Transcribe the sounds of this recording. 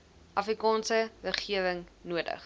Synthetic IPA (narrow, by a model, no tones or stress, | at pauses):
ʔɐfrikɑːnsəvərχiəvəŋnuədə̰χ